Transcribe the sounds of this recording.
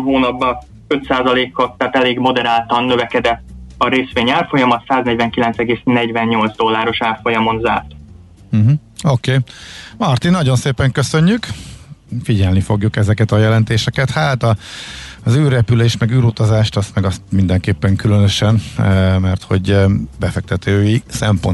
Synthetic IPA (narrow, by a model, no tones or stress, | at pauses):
ɦoːnɒbːɒ | øt̪saːzɒleːkot̪ːaːt̪ɛleːɡmo̞d̪ɛɾaːlt̪ɒnːøvɛkɛd̪ɛt̪ːɒɾeːsʋeːɲaːrfo̞jɒmɒt̪saːznɛɟvɛŋkilɛnt̪sɛɡeːsnɛɟvɛnːo̞ldzd̪o̞lːaːɾo̞ʃaːrfo̞jɒmo̞nzaːrt̪ | m̩ɦ̩okeːmɒrt̪inːɒɟo̞nseːpɛŋkøsø̞ɲːyk | fiɟɛlnifo̞ɡjukɛzɛkɛt̪ɒjɛlɛnt̪eːʃɛkɛt̪haːt̪ɒ | zyːrɛpyleːʃt̪mɛɡyːɾut̪ɒzaːʃt̪ɒst̪mɛɡɒst̪̚mind̪ɛŋkeːpːɛŋkylønøʃɛnmɛrt̪ho̞̰ɟbɛfɛk̚t̪ɛt̪ʰøːjisɛmpo̞̰n